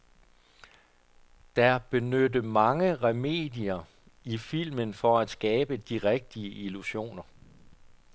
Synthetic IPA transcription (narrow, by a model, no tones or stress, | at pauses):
d̥ɑb̥e̝nød̥əmɑ̈ŋəʁɛme̝̰ːd̥iɐ | ifil̰mənfɒ̽æd̥sɡ̥ɛːb̥əd̥iʁɛɡ̥̚d̥iəʔiluɕo̝̰ːnɐ